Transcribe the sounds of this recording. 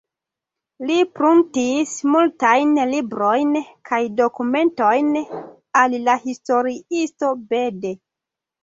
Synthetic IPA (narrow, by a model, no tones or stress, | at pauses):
lipɾuntismultajnlibɾo̞jnkʰajdo̞kume̞nto̞jn | allahisto̞ɾiisto̞be̞de̞